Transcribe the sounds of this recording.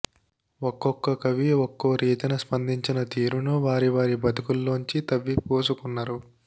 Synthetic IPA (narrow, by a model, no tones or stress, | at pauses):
ɔkːɔkːɐkɐʋiɔkːoɾʔiːt̪ɐnɐspɐnd̪iɲt͡ʃinɐt̪iːɾunuʋaːɾiʋaːɾibɐd̪ukulːoːɲt͡ʃit̪ɐʋːipoːsukunːaːɾu